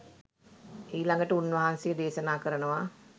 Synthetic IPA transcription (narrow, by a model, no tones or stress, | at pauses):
iːlaŋɡəʈəunʋɐɦansejəd̪eːʃənaːkəɾənəʋa